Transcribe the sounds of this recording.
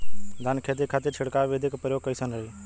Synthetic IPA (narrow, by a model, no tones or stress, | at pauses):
d̪ʱaːnkʰeːt̪̬iːkʰaːt̪et͡ʃʰɪɽkaːʋeːd̪ʱɪkpəɾjoːɡ̚kːəiːsənəiː